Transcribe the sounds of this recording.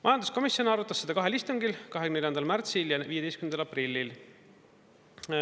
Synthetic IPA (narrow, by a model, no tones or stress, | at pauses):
mɑjɑnd̪usko̞misjo̞nɑɾut̪ːˑɑsːe̞d̪ɑkɑɦe̞list̪uŋɡilkɑɦeɡyneljɑnd̪ɑlmært̪siljɑviːjed̪ejskymnd̪ɑlɑprilʲːil